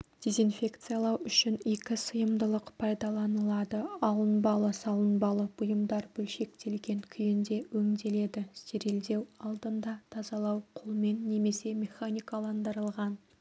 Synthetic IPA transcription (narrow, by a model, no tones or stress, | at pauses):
d̪̥ʲe̞zinfʲe̞kt̪sɨjalˠɑwʏʃɪnekʲɪsəjəmd̪əlˠəqpʰɑjd̪ɑlˠɑnəlˠɑd̪əɑlˠənbɑlˠəsɑlˠənbɑlˠəbʊjəmd̪ɑɾbʏlʃe̞k̚t̪e̞lɡʲe̞ŋkʲʰʏjɪnd̪e̞wɵŋd̪e̞le̞d̪ɪse̞ɾe̞ld̪e̞wɑlˠd̪ənd̪ɑt̪ʰɑzɑlˠɑwqʰʊlˠme̞nːe̞me̞se̞mʲe̞χanʲijkalˠɑnd̪əɾəlˠʁɑn